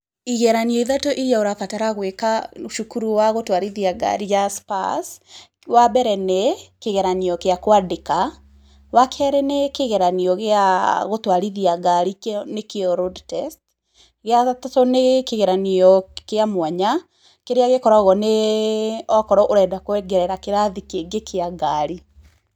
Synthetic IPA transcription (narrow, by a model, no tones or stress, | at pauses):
iɣɛɾaniɔiðatoʔiɾjaoɾafataɾaɣwekauʃukuɾuwaɣotwaɾiðiaɡa̰ɾijaspa̰s | wabɛɾɛnekeɣɛɾaniɔkeakowadeka | wakʰɛɾɛnekeɣɛɾaniɔɣeaɣotwaɾiðiaɡaɾiknekeɔɾodtɛst | ɣeattɔnekeɣɛɾaniɔkeamwaɲa | keɾeaɣekɔɾaɣɔne | ɔkɔɾɔʔoɾɛːdakwɛɡɛɾɛɾakeɾaðikeɡekʰeaɡaɾi